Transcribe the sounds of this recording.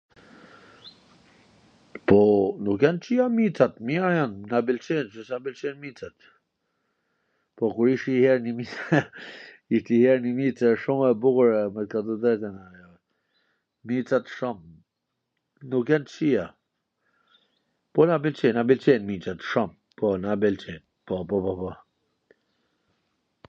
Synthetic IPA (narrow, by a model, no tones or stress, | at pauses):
pɔnukjɛnt͡ʃiamit͡sat̪miajɔnnabilt͡ʃɛnt͡ʃəsabilt͡ʃɛnmit͡sat̪ | pɔkuɾiʃihɛɾnimit͡s | iʃt̪ihɛɾnimit͡sɛʃumɛbukɾɛmɛt̪kat̪ɔd̪ɛt̪ɛnaj | mit͡sat̪ʃɔm | nukjɛnt͡ʃia | pɔnabilt͡ʃenabilt͡ʃenmit͡sat̪ʃɔm | pɔnabɛlt͡ʃeːn | pɔpɔpɔpɔ